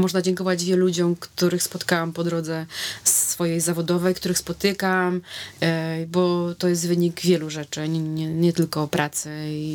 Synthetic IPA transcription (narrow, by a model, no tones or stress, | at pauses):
mɔʐnad͡ʑɛŋkɔvad͡ʑvʲjɛlud͡ʑɔmkt̪uɾɘxspɔt̪kawampɔd̪ɾɔd̪zɛsfɔjɛjzavɔd̪ɔvɛjkt̪uɾɘxspɔt̪ɘkam | bɔt̪ɔjɛs̬t̪vɘɲiɡvʲjɛluʐɛt͡ʂɛɲɛɲɛt̪ɘlkɔpɾʔat̪sɘi